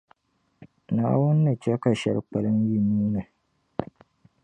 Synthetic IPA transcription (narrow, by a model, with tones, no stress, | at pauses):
na̰ː˨wʊ˦nːɨ˨t͡ʃɛ˦ka˨ʃɛ̰˦lk͡pa˨lɨ˦nji˦nuː˦nɨ˨